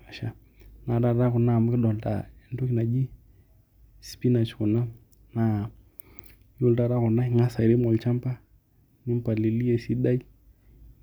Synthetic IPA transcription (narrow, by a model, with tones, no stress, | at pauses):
a˨ʃa˨ | na˨ɾa˨ɾa˦ku˨na˦˨m˦kɪ˦ɗɔ˨lta̰˨ɛ˨ndu˦ki˨na˨d͡ʒi˦ | spi˦na˨t͡ʃku˨na˦ | na˨ | ju˦lta˦ɾa˦ku˨na˦˨ŋa˦sa˨ɾi˦mɔ˨lt͡ʃa˦mpa˦ | ni˦mpa˨li˨li˦ɛ˨si˦ɗa˦i˦